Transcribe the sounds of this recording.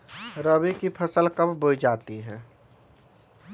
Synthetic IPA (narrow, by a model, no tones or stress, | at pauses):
ɾəbikipʰəsəlkəbbojd͡ʒaːt̪iɦɛ̃ː